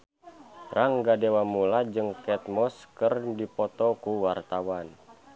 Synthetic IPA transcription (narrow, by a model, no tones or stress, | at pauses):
raŋɡadewamulad͡ʒɨŋkɛt̪̚mɔskərdipɔt̪ɔkuwart̪awan